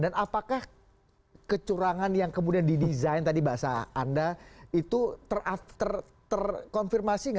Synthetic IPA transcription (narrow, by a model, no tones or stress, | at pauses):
danapakah | kət͡ʃuɾaŋanjaŋkəmudiandidizaint̪adibaasa̰ːndait̪ut̪ərat̪ər | t̪ərkɔnfirmasiŋa